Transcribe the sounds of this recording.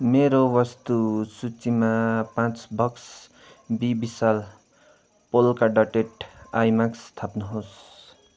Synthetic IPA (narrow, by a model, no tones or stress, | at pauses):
meɾowʌst̪usut͡simapãt͡sbʱʌks | bibisal | polkaɖʌʈeʈajmakst̪ʰapnuɦos